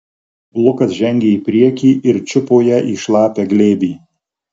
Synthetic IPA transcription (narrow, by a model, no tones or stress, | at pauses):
lˠʊkɐsʒʲɛŋʲɡʲeiːpʲɾʲiɛkʲiːʔɪɾt͡ʃʲʊpoːjæːʔiːʃlˠɑːpʲeːɡlʲeːbʲiː